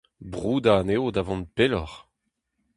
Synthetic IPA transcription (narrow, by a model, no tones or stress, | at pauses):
bʁuːd̪aːneodavɔ̃n̚pelɔχ